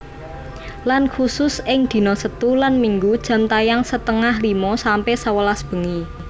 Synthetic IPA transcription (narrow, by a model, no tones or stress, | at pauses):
lankʰusʊsɪŋd̪̥i̤nɔsət̪ulanmiŋɡud̥ʒ̥ä̤mt̪ajaŋsət̪əŋahlimɔsampɛhsəwəlasb̥ə̤ŋi